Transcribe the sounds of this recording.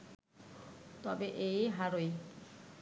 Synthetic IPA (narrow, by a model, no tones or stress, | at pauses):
t̪ɔbeʔejɦaɾoj